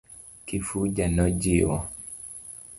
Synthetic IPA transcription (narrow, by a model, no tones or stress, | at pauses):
kifud͡ʒanɔd͡ʒiwɔ̰